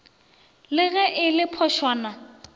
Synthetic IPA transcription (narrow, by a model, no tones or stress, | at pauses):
lɪɣɛʔɪlɪpʰɔʃwaːna